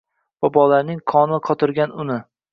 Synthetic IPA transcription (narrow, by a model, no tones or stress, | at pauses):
babɒlaɾnɪŋqʰɒnɪqʰɒt̪ʰɪɾɡʲanʊnɪ